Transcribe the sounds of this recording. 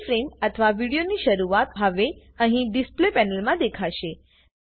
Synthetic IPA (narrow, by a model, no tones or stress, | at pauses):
fɾemət̪ʰəʋaʋiɽijoniʃəɾuat̪ɦəʋe | əɦĩɖisplepɛnəlmãd̪ekʰaʃe